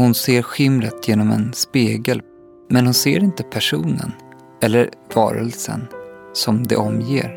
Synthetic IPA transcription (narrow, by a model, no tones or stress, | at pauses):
hʊnseːɾɧɪmɾət̪ʰjeːnɔmɛ̰nspeːɡəl | mɛnhʊnseːɾɪnt̪əpʰæʂuːnə̰n | ɛlːəɾvɑ̰ːɾə̰lsə̰nsɔmd̪ɛ̰ʔɔmjeːɾ